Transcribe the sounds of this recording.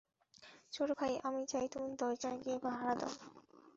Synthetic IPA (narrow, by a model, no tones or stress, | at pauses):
t͡ɕoɾokʰajʔamit͡ɕajt̪umud̪ɔjt͡ɕaɡiebaɦaɾad̪a̰